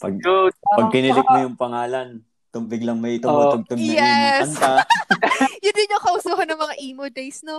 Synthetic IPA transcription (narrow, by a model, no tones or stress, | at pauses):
pɐ̰ɡɡʊd̪̚pɐɡ̚pɪnɪlɪk̚mojʊŋpɐŋaːlɐn | t̪ʊmbɪɡlɐŋmɐjt̪ʊoɡ̚t̪ʊmɪjɛɐnt̪a | jʊd̪ɪnːokɐʔusuːɦɐnːɐŋmɐŋaʔiːmod̪ejsno